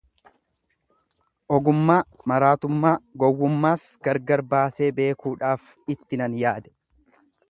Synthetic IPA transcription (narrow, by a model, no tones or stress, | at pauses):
ʔɔɡʊmːaːmɐɾaːt̪ʊmːaːɡɔwːʊmːaːsɡɐɾɡɐɾbaːse̞ːbe̞ːkuːᶑaːf | ɪt̪ːɪnɐnjaːd̪ɛ̥